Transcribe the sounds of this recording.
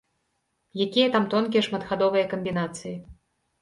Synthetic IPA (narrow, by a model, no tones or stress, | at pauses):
jakʲijɐt̪amt̪ɔnkʲijɐʂmɐt̪xad̪ɔvɨjɐkɐmʲbʲinat̪sɨji